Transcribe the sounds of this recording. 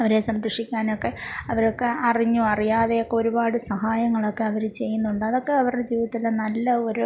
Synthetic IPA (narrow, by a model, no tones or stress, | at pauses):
ɐʋɐɾe̞sɐmɾɐʂikʲːaːno̞kːe̞ɐʋɐɾokːe̞ɐriɲːuɐrijaːðe̞jokːe̞o̞ɾubaːɽɨsɐɦaːjɐŋːɐɭo̞kːe̞ɐʋɐɾut͡ɕe̞jːunːuɳɖɨɐðo̞kːe̞ɐʋɐrɽed͡ʑiːʋiðɐt̪ːilenɐlːɐo̞ɾu